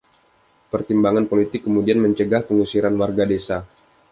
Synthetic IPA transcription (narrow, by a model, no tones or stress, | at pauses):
pərt̪imbaŋanpolit̪ɪkːəmudianməɲt͡ʃəɡahpəŋusiɾanwarɡadesa